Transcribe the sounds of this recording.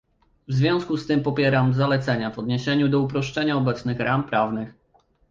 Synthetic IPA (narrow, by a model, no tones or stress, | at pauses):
vzvʲjɔ̃w̃skust̪ɘmpɔpʲjɛɾamzalɛt̪sɛɲavɔd̪ɲɛɕɛɲud̪ɔupɾɔʂt͡ʂɛɲaɔbɛt̪snɘxɾʔampɾavnɘx